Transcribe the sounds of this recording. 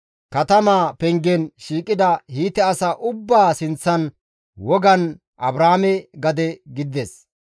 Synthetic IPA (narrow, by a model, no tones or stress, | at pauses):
kɐt̪ɐmaːpɛŋɡɛnʃiːkʼːɪd̪ɐhiːt̪ɛɐsɐʔʊbːaːsɪnt͡sːɐn | wɔɡɐn | ʔɐbɾaːmɛɡɐd̪ɛɡɪd̪ɛs